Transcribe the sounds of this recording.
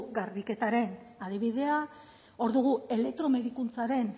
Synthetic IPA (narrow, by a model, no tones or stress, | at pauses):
ɡaɾβike̞t̪aɾe̞nað̞iβ̞iðe̞a | o̞ɾðuɣ̞ue̞le̞k̚t̪ɾo̞me̞ðikunt͡saɾe̞n